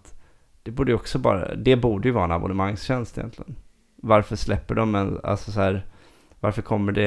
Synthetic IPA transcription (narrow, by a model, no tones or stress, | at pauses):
t̪ | d̪̥ɛbuːɖəjɔksɔbɑ̰ːɾa̰d̪ɛbuːɖəjɵvɑːɾaɛna̰bʊnəmaŋsɕɛnst̪ɪjɛ̰nt̪lɪɡən | vaɾfœʂlɛpːəɖɔmɛna̰lsɔsɔhæːɾ | vaɾfœɾkʰɔmːəɖɛ